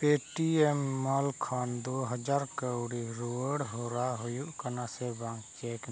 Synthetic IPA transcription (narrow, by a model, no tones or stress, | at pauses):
peʈiɛmːalkʰand̪ɔɦəd͡ʒaɾkəwɽiɾuəɽɦɔɾaɦujuʔkanasɛbaŋkt͡ʃɛk